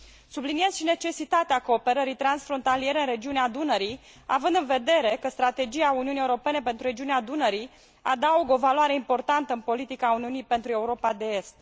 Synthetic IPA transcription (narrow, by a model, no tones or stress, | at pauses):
sublinijezʃine̞t͡ʃe̞sit̪at̪eako̞ːpe̞ɾəɾijt̪ɾansfɾo̞nt̪alie̞ɾeɨnre̞d͡ʒiunead̪unəɾi | a̰vɨnd̪ɨnve̞d̪e̞ɾe̞kəst̪ɾat̪e̞d͡ʒiauniunieuɾo̞pe̞ne̞pent̪ɾuɾe̞d͡ʒiunead̪unəɾi | ad̪auɡəo̞valoaɾe̞impo̞rt̪ant̪əɨnpo̞lit̪ikauniunijpe̞nt̪ɾue̞uɾo̞pad̪e̞est̪